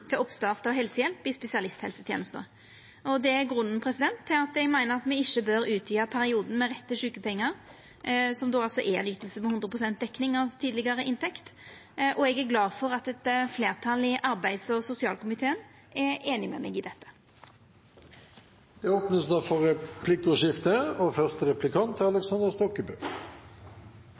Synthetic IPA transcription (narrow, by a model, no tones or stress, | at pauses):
t̪ʰɪlɔpst̪ɑːʁt̪ɔɦɛlsəjɛlpɪspɛsɪɑlɪst̪hɛ̰lsət̪ʰjḛːnəst̪ə̰ | ʔɔd̪ɛæɡʁʉnːn̩pʰɾɛsɪd̪ɛnt̪ʰːɪlɑt̪ɛɡmæɪnəʁɑt̪mɛɪçːəbœɾʉːt̪ʰjyːɑpʰæɾɪuːd̪n̩mɛʁɛt̪ːəʂʉːkəpʰɛŋːəɾ | sɔmd̪oːɑlsɔʔɛɛnjʏt̪ːəlsəmɛhʉnd̪ʁəpʰʁʊsɛnt̪̚d̪ɛkːnɪŋɑʋt̪ʰiːd̪lɪɡɑʁəʔɪnt̪ʰɛkt̪ʔɔɛɡæɾɡlɑːfɔɾɑt̪ɛt̪fleːʁt̪ʰɑlɪʔɑɾbæɪsɔsʊsɪɑ̰ːlkʰʊmɪt̪ʰeːən | ʔɛeːnɪmɛ̰mɛ̰ɡɪd̪ɛt̪ːə̥ | d̪̥ɛoːpnəsd̪æfɔɾɛpʰlɪk̚t̪ʊʃɪft̪əɔfœʁst̪əɾɛplɪkʰɑnt̪ʰːɪɑlɛksɑnd̪əɾst̪ɔkːəbʉː